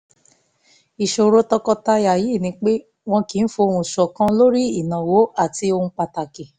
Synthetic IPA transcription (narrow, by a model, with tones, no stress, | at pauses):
i˨ʃo˨ɾo˧tɔ˧kɔ˧ta˧ja˨ji˨˦˨nĩ˧˦k͡pe˦ | w̃ɔ̃˧ki˨˦n̩˦fo˧o˧hũ˧˨ʃɔ˨kã˦lo˦ɾi˦i˦˨nã˨wo˨˦a˦˨ti˧o˧hũ˧k͡pa˧ta˨ke˨